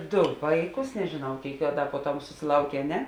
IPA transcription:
ˈdʊ ˈʋɐɪˌkʊs nʲɛʒʲɪˈnɐʊ ˈkʲeːɪk ɐ ˈdɐ puɔˈtɐm sʊsʲɪˈlˠɐʊkʲeː ɐ ˈnʲɛ

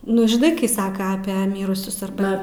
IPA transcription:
ˈnʊ ʒʲɪˈnɐɪ kɐɪ ˈsɑːkɐ ˈɑːpʲiɛ ˈmʲiːrʊsʲʊs ɐrˈbɐ

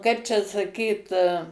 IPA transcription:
ˈkɐɪp t͡ʃʲɛ sɐˈkʲiːt

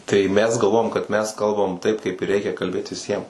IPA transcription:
tɐɪ ˈmʲɛs ɡɐlˠˈʋoːjɛm kɐt ˈmʲɛs ˈkɐlˠbɐm tɐɪp kɐɪp ɪr ˈrʲɛɪkʲɛ kɐlʲˈbʲeːt ʋʲɪˈsʲiɛm

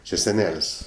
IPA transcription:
t͡ʃʲɪ sʲɛˈnʲɛlʲsʲ

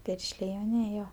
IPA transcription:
ˈpʲɪrʲʃʲlʲeː ɪ jɛʊˈnʲiɛj ˈjoː

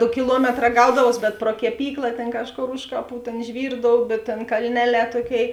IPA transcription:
ˈdoː kʲɪˈlˠuɔmʲɛtˌrɑː ˈɡɐʊdɐʋoːs bʲɛt proː kʲɛˈpʲiːklˠɐ ˈtʲeːn ˈkɑːʃˌkoːr ˈʊʃ kɐˌpuː ˈtʲeːn ˈʒʲʋʲiːrdoːʊbʲeː ˈtʲeːn kɐlʲˈnʲæːˌlʲɛː ˈtuɔˌkʲeːɪ

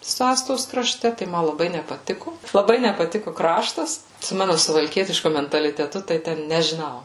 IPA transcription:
sʊ ˈɑːstoːs krɐˈʃʲtʲɛ tɐɪ ˈmɐ lˠɐˈbɐɪ nʲɛpɐˈtʲɪkʊ lˠɐˈbɐɪ nʲɛpɐˈtʲɪkʊ ˈkrɑːʃtɐs sʊ ˈmɑːnʊ sʊʋɐlʲˈkʲiɛtʲɪʃkʊ mʲɛntɐlʲɪtʲɛˈtʊ tɐɪ ˈtʲɛn nʲɛʒʲɪˈnɐʊ

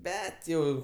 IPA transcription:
ˈbʲɛt jɛʊ

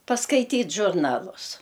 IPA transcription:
pɐskɐɪˈtʲiːtʲ ʒʊrˈnɑːlˠʊs

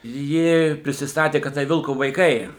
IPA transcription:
ˈjɪ pʲrʲɪsʲɪsˈtɑːtʲeː kɐt ˈtɐɪ ˈʋʲɪlˠkoː ʋɐɪˈkɐɪ

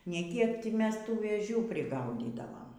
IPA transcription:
nʲɛ ˈkʲiɛk ˈtʲɪ ˈmʲɛs ˈtuː ʋʲeːˈʒʲuː pʲrʲɪˈɡɐʊdʲiːdɐʋoːm

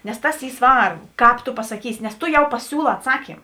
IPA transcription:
nʲɛs ˈtɐs ˈiː ˈsʋɐrbʊ ˈkɑːp toː pɐsɐˈkʲiːsʲɪ nʲɛs ˈtoː jɛʊ pɐˈsʲuːˌlˠɑː ɐtˈsɑːkʲiːm

